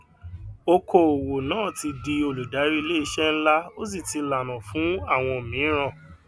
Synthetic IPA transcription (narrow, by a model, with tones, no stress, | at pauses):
o˦kʰo˦˨o˨wo˨nãː˦˨ti˧di˧o˧lu˨da˨˦ɾi˦i˧le˦i˧ʃɛ˦n̩˦la˦o˦s̬i˦˨ti˧la˨nã˨fũ˨˦a˦˨w̃ɔ̃˧˨mĩ˨˦ɾ̃ã˦˨